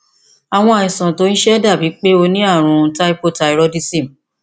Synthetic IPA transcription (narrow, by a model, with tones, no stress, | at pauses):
a˨w̃ɔ̃˧a˨ĩ˨sã˨to˨˦n̩˦ʃɛ˦da˦˨bi˨˦k͡pe˦o˧nĩ˦a˦˨ɾ̃ũ˨˧ta˦i˦po˦˨ta˧i˨˧ɾɔ˧di˧sĩ˦˨m̩˨